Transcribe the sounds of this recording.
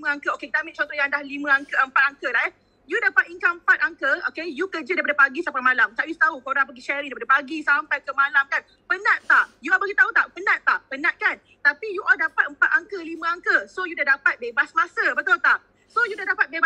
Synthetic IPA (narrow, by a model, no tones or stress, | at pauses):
mə̃aŋkəokekt̪aʔmit͡ʃɔnt̪ɔjãŋdahlimə̃aŋkəəmpat̪̚aŋkəlaɦɛ | judapat̪̚iŋkaəmpat̪̚aŋkəokejukəd͡ʒədajpadapaɡisampajmalamt̪aʔjust̪aukoɾãŋpəɡiʃɛɾiŋdajpadəpaɡisampajkəmalamkan | pənãʔ̚t̪aʔjuɔbaɡit̪aut̪aʔpənãʔ̪aʔpənãʔ̪̚kan | t̪apijuʔɔldapat̪̚əmpat̪̚aŋkəlimə̃aŋkəsojudaɦdapat̪̚bebasmasəbət̪ʊlt̪aʔ | sojudaɦdapat̪̚beb